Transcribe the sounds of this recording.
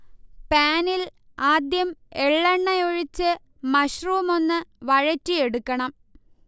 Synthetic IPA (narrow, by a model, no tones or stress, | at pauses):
paːnil | aːd̪jɐmeɭːɐɳːɐjoɻit͡ɕːɨ | mɐɕruʋumo̞nːɨʋɐɻɐtːije̞ɽukːɐɳɐm